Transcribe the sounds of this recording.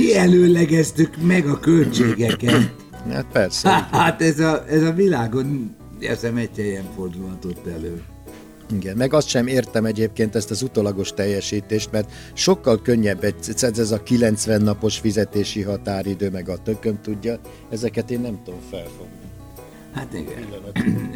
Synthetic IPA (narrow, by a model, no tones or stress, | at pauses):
iɛløːlɛɡɛzt̪ykmɛɡɒkølt͡ʃeːɡɛkɛt̪ | ha̰ːt̪̚pɛrsɛat̪ɛzɒʔɛzɒvilaːɡo̞n | ḛːrzɛmɛɟtɛjɛɱfo̞rd̪ulɒt̪o̞t̪ːɛløː | iɡɛnmɛɡɒst̪ʃɛmeːrt̪ɛmɛɟeːp̚keːnt̪ɛst̪ɒzut̪olɒɡo̞ʃt̪ɛjːɛʃiːt̪eːʃt̪mɛrt̪ | ʃo̞kːɒlkøɲːɛbːɛɟ̪sɛzɛzɒkilɛnt̪sʋɛnːɒpo̞ʃfizɛt̪eːʃiɦɒt̪aːɾid̪øːmɛɡɒt̪økømt̪uɟːɒ | ɛzɛkɛt̪eːnːɛmt̪ud̪omfɛlfo̞ɡni | hat̪ḭɡɛ̰ilːɒnt̪